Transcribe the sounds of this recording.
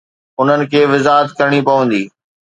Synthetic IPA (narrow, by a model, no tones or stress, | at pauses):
ʊn̤ənɪ̆kʰeːʋɪzaːɦət̪kɐɾɽ̃ipɐʋə̃nd̪iː